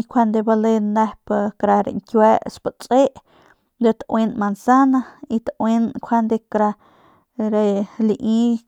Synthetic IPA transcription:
kʷʰa˧nd̪e˧ba˧le˧ne˧pkɾa˧ɾḛ˨ŋkʲwɛ˦spa˨t͡sʼe˦ʔ | d̪e˧t̪ʔwi˧nma˧nsa˦na˦i˧t̪wi˦nkʷʰa˦˧nd̪e˧kɾa˧ | ɾe˧li˧ʔi˦

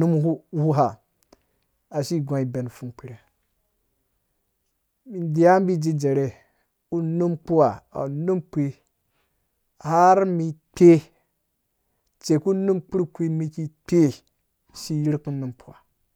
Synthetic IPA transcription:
u˦m˦wu˦ɦa˨ | a˨ʃi˦˨ɡʷã˦i˨be˨n˨fu˦ŋk͡pi˨ɾe˨ | mi˨ndi˨ja˦m˦bi˦d͡ʒi˦d͡ʒe˨ɾe˨ | u˦nu˦mk͡pu˦wa˨a̰˨nu˦mpi˦ | ha˦ɾmi˨k͡pe˦ | t͡ʃe˨ku˦nu˦mk͡pu˦ɾkʷi˦mi˦ki˦k͡pe˦ | ʃi˦ji˦ɾku˦nu˦mpu˦wa˨

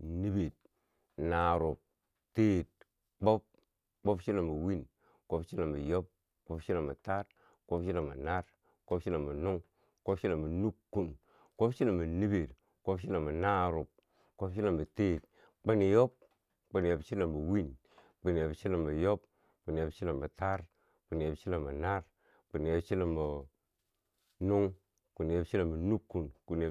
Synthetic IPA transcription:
ni˦be˨t̚ | na˨ɾu˨p̚ | te˦t̚ | k͡po˦p̚ | k͡po˦pʃi˦la˨mbə˨wi˦n | ko˦pt͡ʃi˦na˨mbə˨jo˦p̚ | ko˦pʃi˦na˨mbə˨ta˦t | ko˦pʃi˦na˨mbə̰˨na˦ɾ | ko˦pʃi˦na˨mbə˨nu˦ŋ | ko˦pʃi˦la˨mbə˨nu˦kːu˨n | ko˦pt͡ʃi˦na˨mbə˨ni˦be˨t | ko˦pʃi˦la˨mbə˨na˦ɾu˨b̚ | ko˦ʃi˦la˨mbə˨te˦˨t̚ | k͡pə˦ni˨jo˦p̚ | k͡pu˨ni˨ja˨bt͡ʃi˦la˨mbu˨wi˦n | k͡pi˨ni˨ja˨bt͡ʃi˦la˨mbə˨jo˦p | k͡pu˨ni˨ja˨bt͡ʃi˦la˨mbə˨ta˦ɾ | k͡pu˨ni˨ja˨bt͡ʃi˦la˨mbə˨na˦ɾ | k͡pu˨ni˨a˨bt͡ʃi˦la˨mbə˨ | nu˦ŋ | ku˨ni˨ja˨bt͡ʃi˦la˨mbə˨nu˦kːu˨nku˨n˨

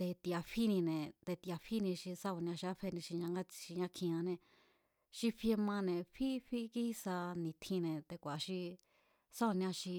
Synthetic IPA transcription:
t̪e˧t̪i˧a˨˧ɸi˦nĩ˧nẽ˨t̪e˧t̪i˧a˧ɸi˦nĩ˧ʃi˧sa˦o˧ñ˧ã˧ʃi˧a˦ɸe˦˧nĩ˧ʃi˧ɲã˧ŋɡḁ˦˧ʃi˧ɲã˧kʰĩ˧ã˧nẽ˧ | ʃi˧ɸi˧e˧mã˧nẽ˧ɸi˦ɸi˦ki˦sa˧nĩ˨˧t̪ʰĩ˧nẽ˨t̪e˧kʷa˨ʃi˧ | sa˦o˧nĩ˧ã˧ʃi˧

